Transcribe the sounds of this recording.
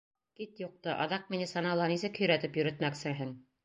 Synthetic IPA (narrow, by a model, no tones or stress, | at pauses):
kit̪juq̚t̪ɤʔɑ̰ðɑq̚minisɑnɑlˠɑnisɘkhɵ̆jɾæt̪ɘpjɵ̆ɾɘ̆t̪mæksɘɦɘŋ